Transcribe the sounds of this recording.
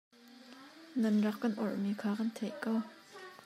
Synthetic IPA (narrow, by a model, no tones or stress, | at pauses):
nɐnrɑkkɐnʔɔrʔmikʰaːkɐnt̪ʰɛʔkɐw